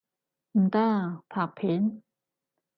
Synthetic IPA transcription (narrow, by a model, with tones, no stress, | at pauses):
m̩˧t̪a˥˩t̪ʰa˨˩k̚pʰe˨˦n